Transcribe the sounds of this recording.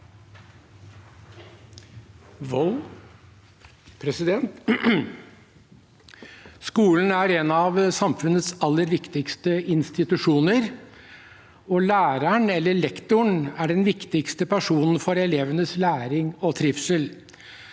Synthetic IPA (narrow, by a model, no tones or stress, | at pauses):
ʋɔl | pʰɾɛsɪd̪ɛnt̪ | skuːln̩æɾɛnɑʋsɑmfʉnət̪sɑlːəɾʋɪkt̪ɪkst̪əɪnst̪ɪt̪ʉʂuːnəɾ | ɔlæːɾəɳɛlːəɭɛkt̪ʊɳæɖɛnʋɪkt̪ɪkst̪əpʰæʂuːnn̩fɔɾɛleːʋənəslæːɾɪŋɔt̪ʰɾɪfsəl